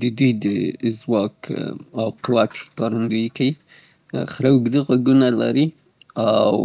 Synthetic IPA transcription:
d̪əd̪ujd̪əzwɑkawqʊwat̪kɑɾand̪ujkai | xɾawɡd̪əɣaɡunala̰ɾi | aw

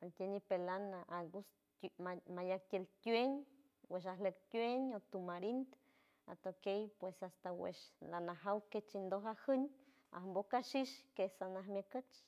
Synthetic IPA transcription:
ank̪ʲenipelanaʔaɡus | amajak̚t̪ʲelt̪ʲweɲ | weʃ̬alək̚t̪ʲweɲot̪umaɾint̪ | a̰t̪okejpwesast̪awḛʃlanaɦawket͡ʃind̪oɦahəɲ | a̰hmbokaʃiʃkesanaɦmjəkət͡ʃ

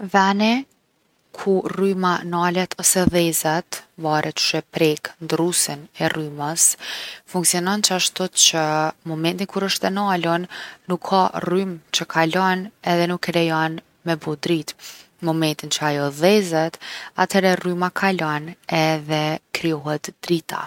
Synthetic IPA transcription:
ðɛanɛ | kʰurymanalɛt̪ʰɔsɛðɛzat̪vaɾʔɛt̪ʃɛpɾɛknd̪ɾusinɛryməsfuŋksiɔnɔnt͡ʃəaʃt̪ɔt͡ʃəmɔmɛnt̪inkuɾəʃt̪ɛnalɔnːukʰːarymt͡ɕəkʰalɔnɛðɛnukːɛɾɛjan | mɛbud̪ɾit̪ | mɔmɛnt̪int͡ʃəajɔðɛzɛt̪a̰t̪ʰhɛɾɛrymakʰalɔnɛðɛkɾiɔɦɛt̪d̪̥ɾit̪ʰa̰

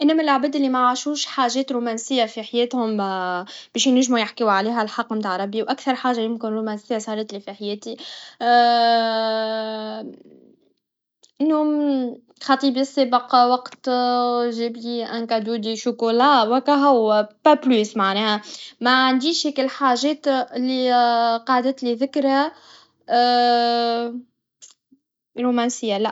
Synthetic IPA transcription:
ʔɪnːæmælʕabɛːd̪ʔɪlːimaʕaʃuːʃħaːʒɛːt̪ɾumæːnsɪjːafiħajɛːt̪hʊm | b̥ɛːʃjnæʒːmujaħkiwʕaliːɦælħɑqːmt̪aːʕɾˤɑbːiwʔækθɑɾˤħaːʒajʊmkɪnɾuːmænsɪjːasˤɑːɾˤɑt̪lifiħajɛːt̪i | ʔɪnːhʊm | xɑt̪ˤiːbisːeːbəqwɑqt̪ | ʒɪbliʔænkaʕd̪uːd̪iʃʊkulɑːwækæɦæwːæpæplyːsmaʕnɛːhæmæʕand̪iːʃhɛːkɪlħaːʒɛːt̪lːiqɑːd̪ət̪liðɪkɾhæ | ɾumænsɪjːalæʔ

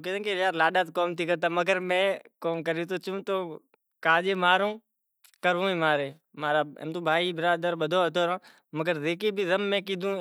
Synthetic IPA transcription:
ked̪ẽkejaːɾlaːɗaːt̪koːmt̪ʰiːkəɾt̪̬aːməɡəɾmẽːkoːmkəɾiːt̪̬ot͡ʃũːt̪oː | kaːd͡ʒeːmaːɾũː | kəɾʋũːẽːmaːɾeː | maːɾaːḛmt̪uːbʱaːiːbɪɾaːd̪əɾɓəd̪ʱoːt̪oːɾãː | məɡəɾzeːkiːbʱiːzəmːẽːk̬iːd̪ũː

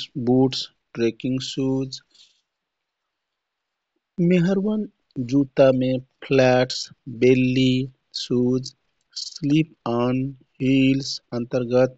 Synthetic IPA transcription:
buʈs | ʈɾekiŋɡsuːd͡ʒ | meɦəɾʋən | d͡ʒut̪amepʰlɛːʈsbelːi | sud͡ʒ | slipan | hilsə̃nt̪əɾɡət̪̚

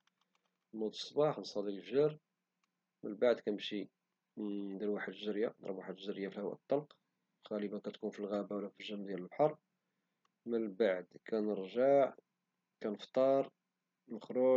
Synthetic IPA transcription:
mud̪sˤːbɑħnsˤɑd̪ilfʒɑɾ | mənlbaʕd̪kænəmʃi | d̪iɾwaħəd̪ʒəɾjad̪ə̰ɾwaħəd̪ʒəɾjafilhəwæ̰ʔt̪ˤːɑlq | xæləbækæt̪kunfilɣæbawlːæfiʒæmd̪jæləlbħɑɾˤ | mənbaʕd̪kʰænəɾʒaʕ | kænəft̪ˤɑɾˤ | nəxɾʊ

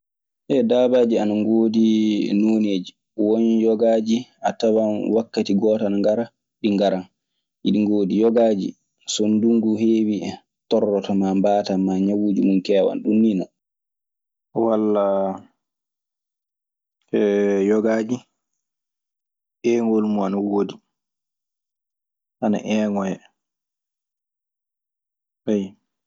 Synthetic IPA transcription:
ʔɛdaːbaːd͡ʒianaŋɡoːdinoːneːd͡ʒi | wɔnjɔɡad͡ʒiʔatawanwakːatiɡɔːtanaŋɡaɾa | ɗiŋɡaɾan | ʔiɗiŋɡoːdijɔɡad͡ʒḭ | sonduŋɡuɦeːwi | tɔrːɔtamambatamaɲawuːd͡ʒumunkɛːwa̰nɗunːinɔ̰ | walːa | ɛjɔɡaːd͡ʒi | ɛːŋɡolmuanawoːdi | ʔana̰ʔɛːŋɔjɛ | waj

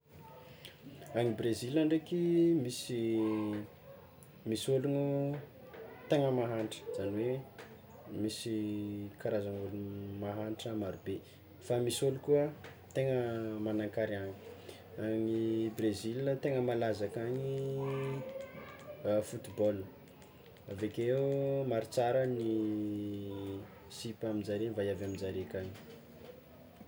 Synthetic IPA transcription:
aŋibrezilaɳɖ͡ʐekimisi | misoluŋu | t̪eŋəmaɦaɳʈ͡ʂə̥z̥aniwe | misikaɾazaŋulumaɦaɳʈ͡ʂəmaɾube | famisolukuə | t̪eŋəmanaŋkaɾiaɲi̥ | aɲibrezilət̪eŋəmalazakaɲi | fut̪ibɔl | avakeumaɾit͡saɾəni | sipamid͡zaɾenvajavamind͡zaɾekaɲi̥

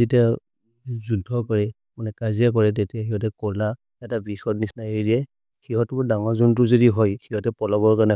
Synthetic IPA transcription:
zitia | zudʰʱɔkɔɹɛ | manɛkaziak̬ɔɹɛt̬etiaxiɦɔtɛkɔla | ɛtabixɔtnisnajidiɛ | xiɦɔtdaŋɔzɔntʊzodiɦɔjxiɦɔtɛpɔlabɔɹkaɹnɛ

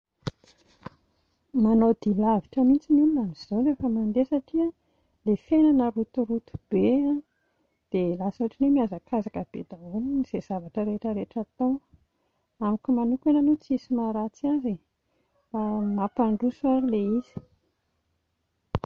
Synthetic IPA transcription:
manod̪ilaviʈ͡ʂəmint͡sinulinaniz̥ozefəmand̪esaʈ͡ʂiə | lefenanəɾut̪uɾut̪u̥b̥eã | d̪̥elasaaʈ͡ʂinemiazakʰazakəb̥ed̪auniniz̥ez̥avaʈ͡ʂəɾeʈ͡ʂəɾeʈ͡ʂat̪o | amikʲumanukenanot͡siisimaɾat͡saze | famapaɳɖ͡ʐusuaɾileiz̥i̥

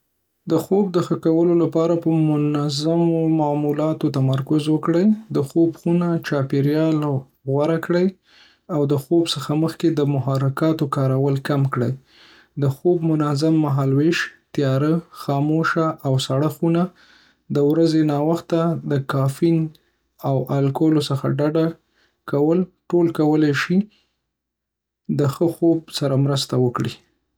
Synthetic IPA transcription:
d̪əxob̚d̪əxəkawəlolapɑɾapəmʊnazamomamulɑt̪ot̪amaɾkʊzwəkɽəjd̪əxobxunat͡ʃɑpeɾjɑl | ɣwaɾakɽəj | awd̪əxobsəxaməxked̪əmʊɦɑɾɪkɑt̪okɑɾawəlkamkɽəj | d̪əxobmʊnazamːaɦɑlweʃt̪jɑɾəxɑmoʃaʔawsaɽaxuna | d̪əwɾazenɑwaxt̪ad̪əkɑfin | awʔalkolosəxa̰ɖaɖa | kawəlʈolkawəlajʃi | d̪əxəxob̚saɾamɾəst̪awəkɽi

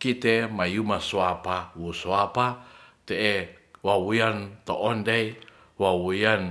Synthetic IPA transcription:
kit̪emajumasuapawusoapat̪eʔewawujant̪oʔɔndej | wawujan

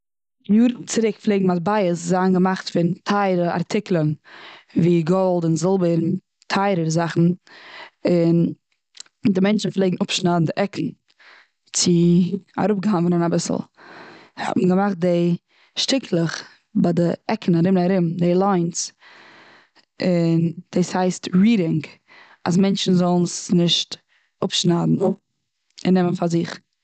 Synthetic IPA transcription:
juːɾnt͡sɪɾɪkflˠeɪːɡŋ̩matbaɪəszaːnɡəmaχtfɪntʰaɪɾəa̰ɾtʰɪklˠənviːɡɔlˠdʊnzɪlˠbəɾn | tʰaɪɾəɾzaχn̩ | ɪn | dɪmɛnt͡ʃn̩flˠeɪɡn̩ʊpʃnadn̩dɪʔɛkʰn̩ | t͡sɪa̰ɾʊp̚ɡəhavənənabɪsl̩ˠ | hɔ̰tn̩ɡəmaχt̚deɪ | ʃtɪkʰlˠəχ | badɪʔɛkʰən̩aɾɪmnaɾɪmdelˠaɪns | ɪnd̥eːshaɪstɹiːɾɪŋɡ | a̰s̬mɛnt͡ʃn̩zɔlˠnsnɪʃt | ʊpʃnadn̩ | ɪnːɛmənfaɾzɪχ

